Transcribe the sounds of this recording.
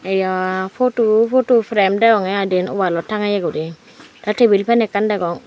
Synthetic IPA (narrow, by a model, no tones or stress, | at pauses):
ɛjɔfotufotufɾemdɛɡɔŋajadinṵbalɔtaŋajeɡudi | datebilpɛnɛkːandɛɡɔŋ